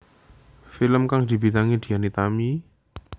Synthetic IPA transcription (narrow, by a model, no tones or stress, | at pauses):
filəmkaŋd̪̥i̤bit̪aŋid̪̥i̤anit̪ami